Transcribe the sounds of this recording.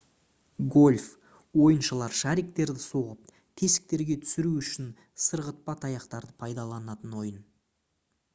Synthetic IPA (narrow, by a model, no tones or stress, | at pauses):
ɡo̞lʲf | wo̞jənʃəlˠɑɾʃæɾik̚t̪e̞ɾd̪ɪso̞ʁəp̚ | t̪ʲʰe̞sɪ̥k̚t̪e̞ɾɡʲe̞t̪ʰʏ̥sɪɾuʏʃɪn | səɾʁət̪̚pɑt̪ʰɑjɑqt̪ɑɾd̪əpʰɑjd̪ɑlˠɑnɑt̪ənwo̞jən